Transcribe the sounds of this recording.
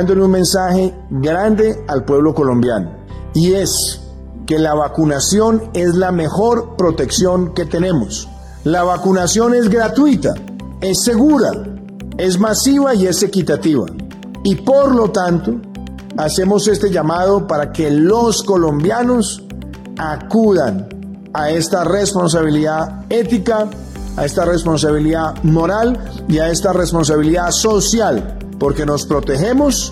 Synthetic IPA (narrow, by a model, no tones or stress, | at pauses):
nd̪oenunmẽ̞nsahe̞ | ɡɾand̪e̞alpwe̞βlo̞ko̞lõ̞mbja̰no̰ | ie̞s | ke̞laβakunasjo̞nezlame̞xo̞ɾpɾo̞t̪e̞ksjo̞ŋke̞t̪e̞ne̞mos | laβakunasjo̞ne̞zɡɾat̪wit̪a̰ | e̞sːe̞ɣuɾa̰ | e̞zmasiβaie̞se̞kit̪at̪iβa̰ | ipo̞ɾlo̞t̪ant̪o | ase̞mo̞se̞st̪e̞ʝamað̞o̞paɾake̞lo̞sko̞lo̞mbjano̞s | akuðan | ae̞st̪are̞spo̞ns̬aβiliðað | e̞t̪ikaː | e̞st̪are̞spo̞ns̬aβiliðamo̞ɾal | iae̞st̪are̞spo̞ns̬aβiliðaso̞sjal | po̞ɾke̞no̞spɾo̞t̪e̞xe̞mo̞s